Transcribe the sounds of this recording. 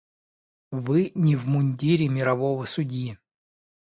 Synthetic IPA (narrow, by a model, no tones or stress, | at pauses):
vɨnʲɪvmʊnʲdʲiɾʲɪmʲɪɾɐvovəsʊdʲji